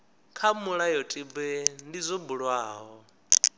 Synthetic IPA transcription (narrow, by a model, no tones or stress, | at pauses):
kʰamuɺajɔtʼibɛndizɔbuɺwaːɦɔ